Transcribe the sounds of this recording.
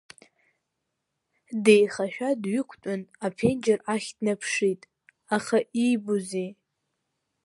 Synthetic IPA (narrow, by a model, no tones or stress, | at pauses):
de̞jχaʃᶣadɥʏkʷʰtʷʼʊnapʰend͡ʒɪraχʲdnapʰʂitʼ | aχaʔibuzi